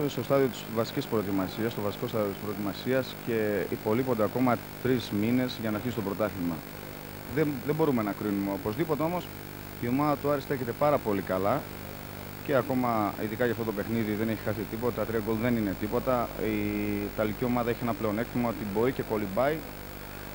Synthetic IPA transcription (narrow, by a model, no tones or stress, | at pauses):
st̪o̞st̪ɐðiot̪i̥svɐsi̥cispɾo̞et̪imɐsiɐst̪ovɐsi̥ko̞st̪ɐðio̞t̪ispɾot̪imɐsiɐsce̞ipo̞lipo̞nd̪eɐko̞mɐ | t̪ɾizmine̞zʝɐnɐːɾçisit̪obɾo̞t̪ɐθimɐ̰ | ðeðebo̞ɾume̞nɐkɾinumeopo̞zðipo̞t̪e̞o̞mo̞s | io̞mɐðɐt̪uɐɾest̪eçet̪e̞pɐɾɐpo̞likɐlɐ | ce̞ɐko̞mɐḭðikɐʝɐft̪o̞t̪o̞pe̞xniðiðe̞neçi̥xɐsit̪ipot̪ɐt̪ɐt̪ɾiɐɡo̞lðe̞nine̞t̪ipo̞t̪ɐit̪ɐlicio̞mɐðɐeçie̞nɐple̞o̞ne̞kt̪imɐot̪ibo̞ice̞ko̞libɐi